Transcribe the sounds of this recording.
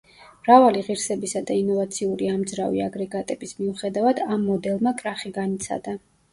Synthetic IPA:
mɾavaliʁiɾsɛbisad̪ainɔvat̪sʰiuɾiamd̪zɾavḭaɡɾɛɡat̪ʼɛb̥ismiuχɛd̪avad̪amːɔd̪ɛlˠmakʼɾaχiɡanit̪sʰa̰d̪a

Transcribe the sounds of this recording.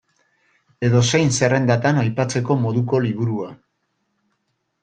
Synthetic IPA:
e̞ðo̞se̞jnse̞re̞nd̪at̪anajpat͡se̞ko̞mo̞ðuko̞liβ̞uɾua

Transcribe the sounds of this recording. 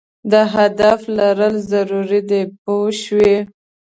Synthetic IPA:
d̪əɦad̪aflaɾəlzaɾuɾid̪epoʃwi

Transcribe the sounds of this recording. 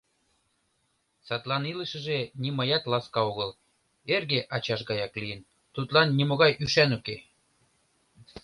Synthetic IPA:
sɑt̪lɑniləʃə̆ʒenʲimɤjɑt̪lɑskɑoɣəl | erɣeʔɑt͡ɕɑʃɣɑjɑklijən | t̪ut̪lɑnːimoɣɑjʔyʃænuke

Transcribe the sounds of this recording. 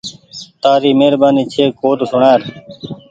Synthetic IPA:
t̪aːɾiːmeːɾbaːniːt͡ʃʰeːkoːt̪osʊɳaːɾ

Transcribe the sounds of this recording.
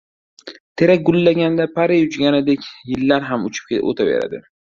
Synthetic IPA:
t̪ʰe̞ɾak̚ʲɡʊlːaɡʲand̪apʰaɾɪjʊt͡ʃɡʲanɪd̪ekʲjɪlːaɾɦamʊt͡ʃʰɪ̥p̚ʲo̰t̪ʰabḛɾa̰d̪ɪ̰

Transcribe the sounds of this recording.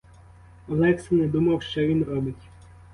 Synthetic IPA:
ɔlˠɛksɪned̪umɐwʃt͡ʃɔʋʲinrɔbɪtʲ

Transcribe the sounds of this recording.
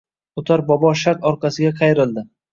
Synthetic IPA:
ʊt̪ʰaɾbɒbɒʃaɾt̪ɒɾqɑsɪɡʲaqʰɑjɾɪlˠd̪ɪ

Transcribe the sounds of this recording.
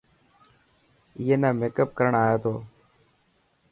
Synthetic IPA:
ɪjeːnãːmeːkəp̚kəɾəɳaːjaːt̪ʰoː

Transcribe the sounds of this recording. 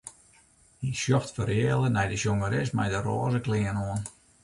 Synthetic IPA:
isjɔftfəɾeːlˠənɛjdəsjoŋəɾɪsmɛ̰jdəro̰ːzəklɪːənoən

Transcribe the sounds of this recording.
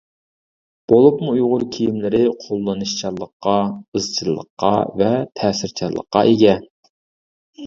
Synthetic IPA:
b̥olˠupmuujʁʊɾkʲʰijimlɪɾɪqʰolˠːɨnɨʃt͡ʃʰɑɾlˠːəqːɑɨzt͡ʃʰɨlˠːə̰qːɑ̰vɛt̪ʰɛːsɪɾt͡ʃʰɑɾlˠə̰qːɑ̰ʔeɡʲɛn

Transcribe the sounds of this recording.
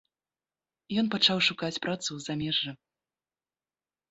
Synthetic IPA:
jɔnpat͡ʂawʂukat͡sʲpɾʔat̪suzamʲɛʐːɨ

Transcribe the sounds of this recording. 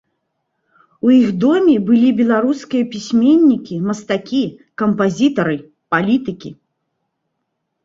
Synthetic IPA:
ujixd̪ɔmʲibɨlʲibʲɛlˠaɾuskʲijɐpʲisʲmʲenʲːikʲimɐst̪akʲikɐmpazʲit̪ɐɾɨ | palʲit̪ɨkʲi

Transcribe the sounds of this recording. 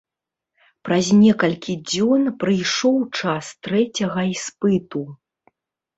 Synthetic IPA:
pɾɐzʲnʲɛkɐlʲkʲid͡zʲɔnpɾɨjʂɔwt͡ʂast̪ɾɛt͡sʲɐɣɐispɨt̪u

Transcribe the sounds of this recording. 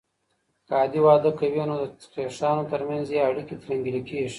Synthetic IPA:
kɑːd̪iwɑːd̪əkawinod̪ə̥qeʂɑːnot̪əɾmanzjeaɽikit̪ɾaŋɡilikeʐi̥

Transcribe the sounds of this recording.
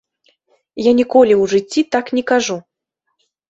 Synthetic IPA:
janʲikɔlʲiwʐɨt͡sʲːit̪aknʲɛkaʐu

